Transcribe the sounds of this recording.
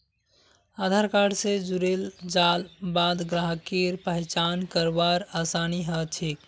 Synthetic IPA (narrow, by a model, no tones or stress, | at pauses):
ad̪ʱaɾkaɽsed͡ʒuɾeld͡ʒalbad̪ɡɾaɦkiɾpəɦɪt͡ʃankəɾbaɾasaniɦət͡ʃʰik